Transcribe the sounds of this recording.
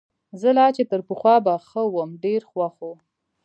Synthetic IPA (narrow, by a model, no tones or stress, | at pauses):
zəlɑt͡ʃet̪əɾpəxwɑbaxəwəmɖeɾxwaxo